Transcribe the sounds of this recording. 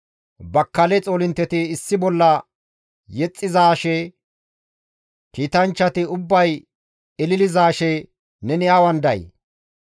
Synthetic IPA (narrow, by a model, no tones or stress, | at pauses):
bɐkːɐlɛt͡sʼoːlɪnt̪ːɛt̪ɪːsːɪbɔlːɐ | jɛt͡sʼːɪzaːʃɛ | kiːt̪ɐnt͡ʃːɐt̪ɪʊbːɐj | ɪlɪlɪzaːʃɛ | nɛnɪjaːwɐnd̪ɐ̰j